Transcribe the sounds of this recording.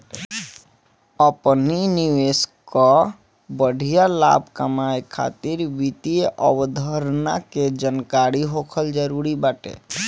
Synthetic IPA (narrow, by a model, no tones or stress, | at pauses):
əpniniʋeskɔ | bəɖʱijala̰bʱkəmajkʰa̰t̪iɾʋit̪iʔəwd̪ʱəɾna̰ked͡ʒənkaɾiɦokʰəld͡ʒəɾuɾibaːʈḛ